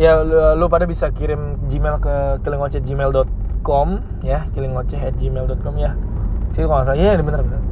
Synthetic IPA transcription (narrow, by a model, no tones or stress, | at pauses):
jaləlupadabisakiɾɪmd͡ʒimɛlkəkilɪŋwɔt͡ʃɛd͡ʒimɛldɔt̪̚kɔm | jakilɪŋwɔt͡ʃɛɦɛt̪̚d͡ʒimɛldɔt̪̚kɔmjasit̪ukaŋas̬aijadbənərbənər